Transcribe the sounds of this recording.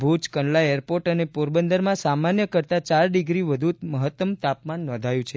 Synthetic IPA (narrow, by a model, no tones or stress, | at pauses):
bʱut͡ʃkəɳlaeɾpoɾʈənepoɾbənd̪əɾmãsamanjəkəɾt̪at͡ʃaɾɖiɡɾiʋəd̪ʱuməɦət̪ːəmt̪apmanːɔ̃nd̪ʱajũt͡ʃʰe